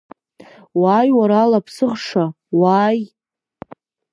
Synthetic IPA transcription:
wajwaɾalapʰsɨχʂa | waːj

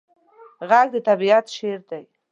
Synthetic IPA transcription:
ɣald̪ət̪abiat̪ʃeɾd̪aj

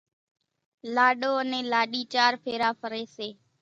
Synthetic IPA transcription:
laːɗoːənẽːlaːɗiːt͡ʃaːɾpʰeːɾaːpʰəɾeːseː

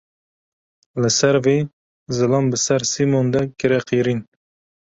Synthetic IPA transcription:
lɨsɛɾvi | zɨlɑmbɨsɛɾsimond̪ɛkɨɾɛqʰiɾin

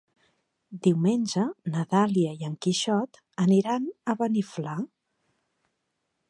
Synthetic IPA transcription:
d̪iwmenʲd͡ʒənəðaliəiəŋkiʃɔt̪ | əniɾanəβənifla

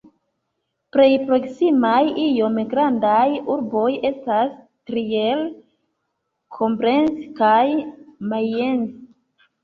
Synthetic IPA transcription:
pɾe̞jpɾo̞ksimajijo̞mɡɾandajuɾbo̞je̞stas | tɾiel | kʰo̞mpɾe̞nskajmae̞ns

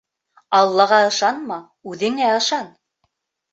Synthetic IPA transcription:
ɑlˠːɑʁɑɤ̆ʃɑnmɑ | ʉðɘ̆ŋæɤ̆ʃɑn

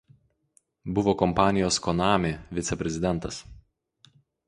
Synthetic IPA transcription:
bʊʋokɔmpɑːnʲɪjoːskɔnɑːmʲeʋʲɪt̪sʲɛpʲɾʲɛzʲɪd̪ʲɛnˑt̪ɐs

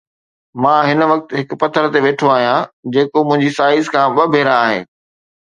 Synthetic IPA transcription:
mãːɦɪn̆ʋɐk̚t̪ɦɪk̆pɐt̪ʰəɾt̪eʋeːʈʰoaːɦijãd͡ʑeːkomʊ̃ɦɪ̃ɲd͡ʑisaːɪzkʰãːɓɐbʱeːɾãːɦḛː

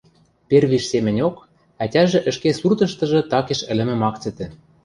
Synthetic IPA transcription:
perβiʃsemɘ̆nʲok | ætʲæʒĕʔɘ̆ʃkesurt̪ɤ̆ʃt̪ɤ̆ʒɤ̆t̪ɑkeʃɘ̆lɘ̆mɘ̆mɑkt͡sɘ̆t̪ɘ̆

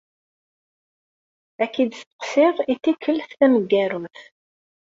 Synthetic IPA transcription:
ækːid̪st̪ə̥qsɪʁit̪ːikʰːəlθθæməɡːæɾuθ

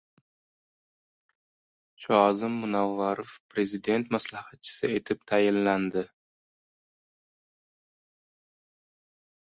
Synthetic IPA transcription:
t͡ʃʰɒzɪmːʊnavːaɾofpʰɾe̞zid̪e̞nt̪maslahat̪̚t͡ʃʰɪ̥sɪe̞t̪ʰɪp̚t̪ʰajɪnland̪ɪ

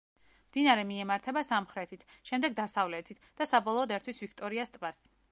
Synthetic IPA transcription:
md̪inaɾɛmiɛmaɾt̪ʰɛbasamχɾɛt̪ʰit̪ʰʃɛmd̪ɛɡ̚d̪asavlɛt̪ʰit̪ʰd̪̥asabɔlˠɔːd̪ɛɾt̪ʰwisvikʰt̪ʼɔɾiast̪ʼvas

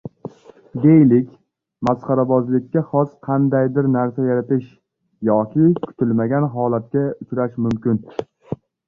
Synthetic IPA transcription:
d̪e̞jlɪkʲ | masqɑɾabɒzlɪkʲːaχɒsqʰɑnd̪ajd̪ɪɾnaɾsajaɾat̪ɪʃ | jɒkʲʰɪkʰʊ̥t̪ʰɪlmaɡʲanɦɒlat̪̚kʲaʊt͡ʃɾaʃmʊmkʲɪn

